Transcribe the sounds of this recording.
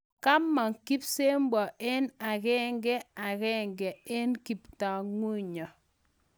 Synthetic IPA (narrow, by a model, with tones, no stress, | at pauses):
ka˦mːa˨ŋki˦pse˦mbɔ˨ʔe˦na˨kɛ˦ŋɡɛ˦a˨kɛ˦ŋɡɛ˨e˦nki˨pta˨ŋwu˦ɲɔ˨